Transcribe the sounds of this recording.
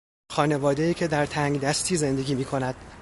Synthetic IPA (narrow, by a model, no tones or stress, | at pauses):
xɒːne̞vɒːd̪ejiːcʰe̞d̪æɾt̪ʰæŋɡd̪æst̪ʰiːze̞nd̪e̞ɡʲiːmiːkʰo̞næd̪̥